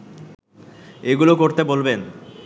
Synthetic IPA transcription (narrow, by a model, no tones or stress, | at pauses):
eɡulokoɾt̪ebolben